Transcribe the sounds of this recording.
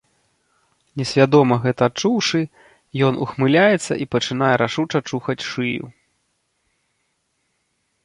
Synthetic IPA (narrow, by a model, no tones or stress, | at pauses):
nʲɛsʲvʲad̪ɔmɐɣɛt̪ɐːt͡ʂuwʂɨ | jɔnuxmɨlʲajɛt̪sːɐ̰ʔipɐt͡ʂɨn̪ajɛɾaʂut͡ʂɐt͡ʂuxɐt͡sʲʂɨjṵ